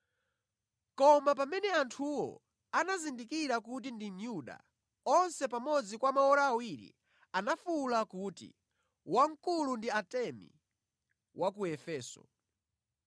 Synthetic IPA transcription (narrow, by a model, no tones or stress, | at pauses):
kɔmapamɛnɛantʰuwɔ̰ | anazindikiɾakut̬indinjuɗa̰ | ɔnsɛpamɔd͡zikwamaɔɾaːwiɾḭ | anafulakutḭ | waŋkulundiatɛmḭ | wʔakuɛfɛːsɔ̰